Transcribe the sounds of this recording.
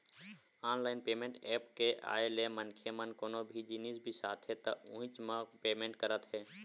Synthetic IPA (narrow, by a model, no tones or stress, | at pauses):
aːnlaːɪnpeːmẽːɳʈɛːpkeʔa̰ːelemənkʰemənkoːnobʱid͡ʒinisbʱisaːt̪ʰɦet̪əũɪ̃t͡ʃmãpeːmẽːɳʈkəɾət̪ɦɛː